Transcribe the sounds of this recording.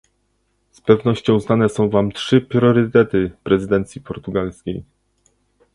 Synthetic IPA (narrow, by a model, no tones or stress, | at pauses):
spɛvnɔɕt͡ɕɔ̃w̃znanɛsɔ̃w̃vamtʂɘpɾʲjʲɔɾɘt̪ɛt̪ɘpɾɛzɘd̪ɛnt̪sʲjipɔɾt̪uɡalskʲej